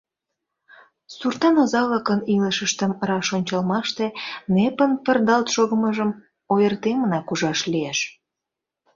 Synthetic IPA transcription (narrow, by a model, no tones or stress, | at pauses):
surt̪ɑnozɑləkəniləʃəʃt̪əmrɑʃonʲt͡ɕɑlmɑʃt̪enepənpərd̪ɑlt̪ʃoɣəməʒəm | ojərt̪emənɑkuʒɑʃlieʃ